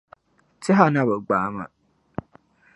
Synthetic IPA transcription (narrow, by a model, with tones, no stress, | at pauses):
tɪ˦ɦa˦na˦bə˨ɡ͡baː˨˦ma̰˨